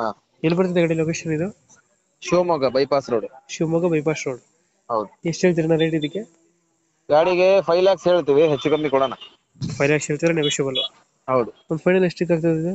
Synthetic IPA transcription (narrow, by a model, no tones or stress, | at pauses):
a | elpɐɾt̪id̪eɡaɽeloːkeːʃɐnid̪u | ʃuːmɔɡɐbɐjpaːsɾoːɽuʃuːmɔɡɐbɐjpaːsɾoːɽu | ɦɐwd̪uesʈɦeːɭt̪iɾnaɾeːʈid̪ikːe | ɡaːɽiɡepʰɐjlaːkseːɭt̪iʋiɦet͡ʃːuɡɐmbikuːɽana | pʰɐjlaːksɦeːɭt̪id̪ɾeneʋeʃubɐlu | ɦɐwd̪uond̪upʰɐjnɐlesʈikːaːɡ̚t̪ɐd̪id̪u